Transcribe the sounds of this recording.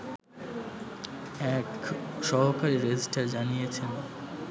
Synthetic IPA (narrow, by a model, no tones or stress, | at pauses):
ɛkʃɔɦokaɾiɾed͡ʑisʈaɾd͡ʑanijet͡ɕʰen